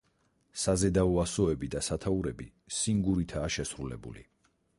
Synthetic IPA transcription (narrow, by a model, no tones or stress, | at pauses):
sazɛd̪auasɔɛbid̪asat̪ʰauɾɛbi | siŋɡuɾit̪ʰaːʃɛsɾulɛ̰bṵlḭ